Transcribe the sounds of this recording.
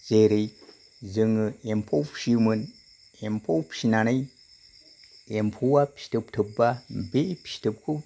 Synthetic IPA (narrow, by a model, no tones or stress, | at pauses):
zeɾej | zɯŋɯempʰowpsimɯn | empʰowpsinanaj | empʰuwapsi̥tɯp̚tʰɯbambepʰsi̥tʰɯp̚kʰɯ